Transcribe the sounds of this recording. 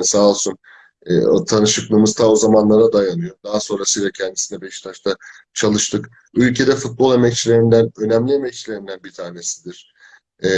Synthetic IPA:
salˠsun | ɛ̰t̪ʰanɯʃɯklˠɯmɯzt̪ʰaozamanlˠaɾad̪ajanɯjo̞d̪aɦaso̞nɾasɯjlʲˠacʰɛnd̪i̥sinɛbɛʃt̪ʰaʃt̪ʰa | t͡ʃʰalˠɯʃt̪ʰɯk | ylʲcʰe̞d̪ɛfut̪̚bo̞lˠe̞mɛc̚t͡ʃʰilʲe̞ɾind̪ænø̞næmlʲie̞mɛc̚t͡ʃʰilʲe̞ɾind̪ænbit̪ʰaːne̞si̥d̪iɾ̥

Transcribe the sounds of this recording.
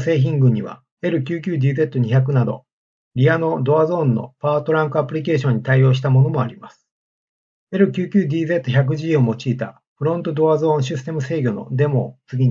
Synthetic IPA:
se̞ːç̬ĩŋɡɯ̟̃ɲ̟ːiβa̰ | e̞ɾɯ̟kʲɨːkʲɨːd̪ʲiːze̞t̪ːo̞ɲiçak̬ɯ̟nad̪o̞̰ | ɾʲiano̞d̪o̞azõ̞ːnːo̞̰paːt̪o̞ɾãŋkɯ̟apɯ̟ɾʲike̞ːɕ̬õ̞ɲ̟ːit̪aijo̞ːɕ̬i̥t̪amo̞no̞mo̞aɾʲimasɨ̥ | e̞ɾɯ̟kʲɨːkʲɨːd̪ʲiːze̞t̪ːoçʲak̬ɯ̟ʑiomo̞t͡ɕiːt̪a | ɸɯ̟ɾõ̞nt̪o̞d̪o̞azõ̞ːɰ̃ɕ̬isɨ̥t̪e̞mɯ̟se̞ːɡʲo̞no̞̰d̪e̞mo̞̰t͡sɨɡʲiɲ

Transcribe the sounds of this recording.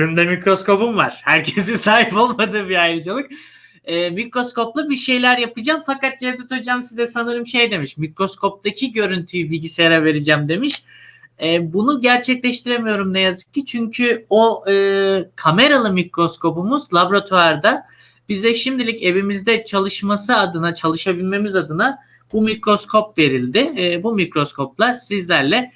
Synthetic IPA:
ymd̪ɛmikɾo̞sko̞pumvaɾ̥hæɾcʰesisaːɦipo̞lˠmad̪ɯːbiajɯɾd͡ʒalˠɯk̚ | ɛːmikɾo̞skʰo̞plˠabiɾʃe̞jlʲæɾjapɯd͡ʒaːmfakat̪̚d͡ʒɛvd̪ɛt̪ʰod͡ʒaːmsizɛsanɯɾɯmʃe̞jd̪e̞miʃmikɾo̞skʰo̞p̚t̪acʰiɟø̞ɾynt̪ʰyjyviɟisɾave̞ɾid͡ʒæmd̪e̞miʃ | ɛːbunuɟæɾt͡ʃʰɛclʲɛʃt̪ʰiɾe̞mijo̞ɾumnɛjazɯ̥k̚cːit͡ʃʰyɲcʰyoɯkʰame̞ɾalˠɯmicɾo̞skʰo̞pumuzlˠabɾat̪ʰuaɾd̪a | b̥izɛʃimd̪ilʲice̞vimizd̪ɛt͡ʃʰalˠɯʃmasɯad̪ɯnat͡ʃʰalˠɯʃabilʲme̞mizad̪ɯna | b̥umikɾo̞skʰo̞pve̞ɾilʲd̪ɪbumikɾo̞skʰo̞p̚lˠaɾsizlʲæɾlʲɛ

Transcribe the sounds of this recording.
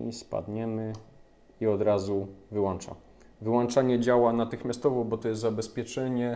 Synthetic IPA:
ḭspa̰d̪ɲɛmɘ | iɔd̪ɾazuvɘwɔnt͡ʂa̰ | vɘwɔnt͡ʂaɲɛd͡ʑawanat̪ɘxmʲast̪ɔvɔbɔt̪ɔjɛst̪zabɛspʲjɛt͡ʂɛɲɛ

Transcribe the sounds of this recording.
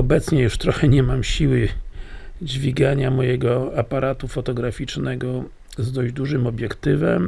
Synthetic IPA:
ɔbɛt̪sɲɛjuʂt̪ɾɔxɛɲɛmamɕiwɘ | d͡ʑvʲiɡaɲamɔjɛɡɔapaɾat̪ufɔt̪ɔɡɾafʲit͡ʂnɛɡɔ | zd̪ɔʑd͡ʑd̪uʐɘmɔbʲjɛkt̪ɘvɛm

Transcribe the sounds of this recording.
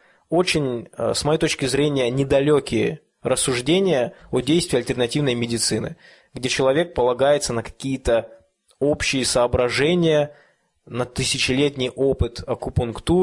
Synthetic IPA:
o̞t͡ɕɪnʲsmɐjejt̪ot͡ɕkʲɪzɾʲenʲɪjənʲɪd̪ɐlʲokʲɪjə | ɾəsːʊʐdʲenʲɪjəodʲejst̪vʲɪɐlʲtʲɪrnɐtʲivnəjmʲɪdʲɪt̪sɨnɨ̰ | ɡdʲet͡ɕɪlˠɐvʲe̞k̚pəlˠɐɡajɪt̪sənəkɐ̥kʲijɪt̪ə | o̞pɕːɪjəsəːbɾɐʐɛnʲɪjə | nət̪ɨsʲɪt͡ɕɪlʲetʲnʲɪjʔo̞pɨt̪ɐkʊpʊnkt̪u

